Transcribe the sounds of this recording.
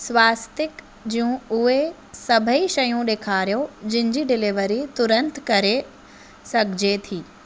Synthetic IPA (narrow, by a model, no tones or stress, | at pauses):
sʋaːst̪ɪk | d͡ʒiũʊe | sɐbʱəiʃɐjũɗ̪eːkʰaːɾjod͡ʒɪ̃ɲd͡ʑiɖɪliʋəɾit̪ʊɾə̃nt̪kɐɾe | sɐkd͡ʑet̪ʰiː